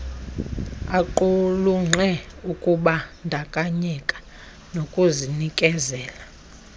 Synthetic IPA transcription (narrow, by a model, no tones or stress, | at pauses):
aǃuluŋ͡ǁʱɛukʼuɓandʱakʼaɲɛkʼḁ | nokʼuzinikʼɛzɛːla